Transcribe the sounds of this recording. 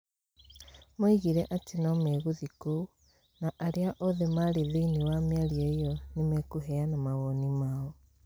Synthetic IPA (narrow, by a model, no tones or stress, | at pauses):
moiɣiɾɛʔatʰinɔmɛɣuðiko | naʔaɾeaʔɔðemaɾeðeiniwamjaɾieiɔnimɛkuɦɛanamaɣɔnimaɔ